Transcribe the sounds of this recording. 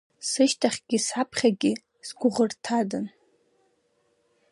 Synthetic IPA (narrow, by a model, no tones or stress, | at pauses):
sɨʃtʰaχʲɡ̥ʲisʕapʰχʲaɡʲɪ | sɡʷʊʁərtʰadɨn